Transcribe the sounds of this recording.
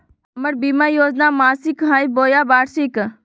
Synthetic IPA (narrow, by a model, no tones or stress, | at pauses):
ɐməɾbiːmaːjoːd͡ʒnamaːsikɦãːiboːjaːbaːɽsik